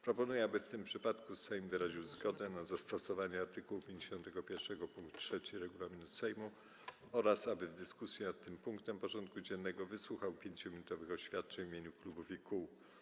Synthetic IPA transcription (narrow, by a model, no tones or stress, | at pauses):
pɾɔpɔnujɛabɘft̪ɘmpʂɘpat̪kusɛjmvɘɾaʑiwzɡɔd̪ɛnazast̪ɔsɔvaɲɛaɾt̪ɘkuwupʲjeɲd͡ʑeɕɔnt̪ɛɡɔpʲjɛɾfʂɛɡɔpuŋkt̪tʂɛt͡ɕiɾɛɡulamʲinusɛjmu | ɔɾasabɘvd̪ɘskusʲjɛnat̪ːɘmpuŋkt̪ɛmpɔʐɔnt̪̚kud͡ʑɛnːɛɡɔvɘswuxawpʲjeɲt͡ɕɔmʲinut̪ɔvɘxɔɕfʲjat̪̚t͡ʂɛɲvimʲjeɲuklubufiku